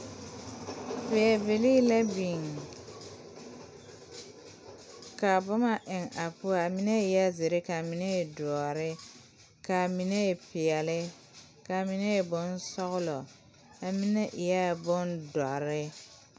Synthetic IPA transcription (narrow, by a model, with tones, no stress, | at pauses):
fɪ˨ɛ˨be˨liː˦la˦bi˨ŋ | ka˨bʊ˦ma˨ʔɪ˨ŋa˨pʊ˦a˨a˨mi˦ne˦ɪ˨ja˦zɪ˨ɾɪ˦ka˨mi˨ne˦e˨dɔ˨ɔ˨ɾɪ˦ | ka˨mi˨ne˦˨pɪ˨ɛ˨lɪ˦ | ka˨mi˨ne˦e˨bʊ˦nsɔ˦ɣʊ˦lɔ˨ | a˨mi˦ne˦ʔɪ˨ja˦˨bʊ˦ndɔ˨ɾɪ˦